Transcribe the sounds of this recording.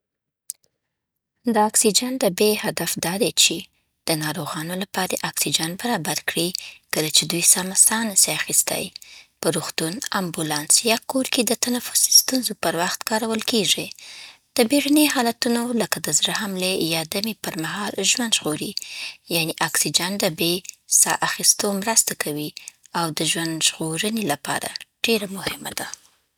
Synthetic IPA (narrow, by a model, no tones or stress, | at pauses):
d̪əaksid͡ʒand̪əbehad̪afd̪ɑd̪et͡ʃe | d̪̥ənɑɾoɣɑnolapɑɾeʔɑksid͡ʒanbaɾɑbaɾkɽikəlat͡ʃed̪ujsɑmasɑnəseaxist̪a̰jpəɾuxt̪unambulɑnsjɑkoɾked̪ət̪anafʊ̥si̥st̪unzopəɾwaxt̪kɑɾawəlkeʐid̪̥əbeɽaneɦɑlat̪unoləkad̪əzɾahamlejɑd̪amepəɾmahɑlʒwand̪ʒɣoɾijaniʔaksid͡ʒand̪əbesɑ̰ʔaxist̪omɾəst̪akʰawiawd̪əʒwand̪ʒɣoɾənelapɑ̰ɾa̰ɖ̥eɾamʊhɪmad̪̥a